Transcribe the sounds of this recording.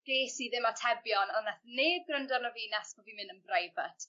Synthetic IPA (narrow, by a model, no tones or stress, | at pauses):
ɡ̥eːsiðɪmatʰɛbjɔnɔnaθneːdɡrəndɔrnɔviːnasbɔvimɪnənbrajvat